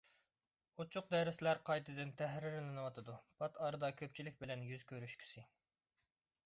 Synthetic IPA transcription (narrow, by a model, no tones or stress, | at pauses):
ut͡ʃʰʊq̚d̪ɛɾɪslæɾqʰɑjt̪ʰɨd̪ɪnt̪ʰɛɦɾɪɾlɪnɨwɑt̪ʰɨd̪upʰɑt̪ɑːɾɨd̪ɑkʲʰøp̚t͡ʃʰilɪk̚ʲbɪlɛnjyzkʲʰøɾyʃkʲʰi̥sɪ